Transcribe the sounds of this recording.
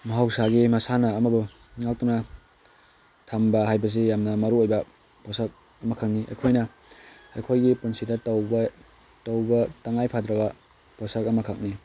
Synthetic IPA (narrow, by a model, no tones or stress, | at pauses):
mɐɦawsaɡimɐsanɐːmɐbu | ŋalk̚tuna | tʰambɐɦajbɐs̬ijamnɐmɐɾuojbɐ | pɔsak̚ | ɐmɐkʰak̚niʔḛjkʰojnɐ | ḛjkʰojɡipunsidɐtawb | tawbɐtaŋajpʰadɾɐbɐ | pɔsakɐmɐkʰak̚ni